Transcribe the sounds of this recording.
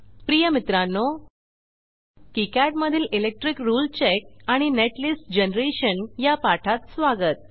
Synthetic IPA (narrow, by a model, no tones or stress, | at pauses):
pɾijəmit̪ɾanːo | kikæʈməd̪ʱiːlilek̚ʈɾikɾuːlt͡ɕek̚aɽ̃ineʈlisʈd͡ʑenɾeɕənjapaʈʰat̪sʋaɡət̪̚